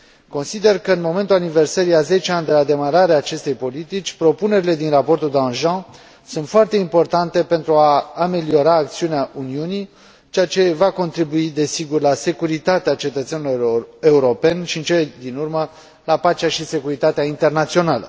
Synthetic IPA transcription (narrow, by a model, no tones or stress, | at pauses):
ko̞nsid̪e̞rkəɨnmo̞me̞nt̪ulanive̞rsəɾiaze̞t͡ʃeanʲd̪e̞lad̪e̞maɾaɾeaːt͡ʃe̞st̪e̞jpo̞lit̪it͡ʃʲpɾo̞pune̞ɾile̞d̪inrapo̞rt̪uld̪ãʒɑ̃ | sunt̪foart̪e̞impo̞rt̪ant̪e̞pe̞nt̪ɾuaːme̞lio̞ɾaːk̚t̪siuneaʔuniunij | t͡ʃejat͡ʃe̞vako̞nt̪ɾibuid̪e̞siɡurlase̞kuɾit̪at̪eat͡ʃe̞t̪ət̪seniloɾeuɾo̞pe̞nʃiɨnt͡ʃeled̪inurmə | lapat͡ʃeaʃise̞kuɾit̪at̪eaint̪e̞rnat̪sio̞nalə̰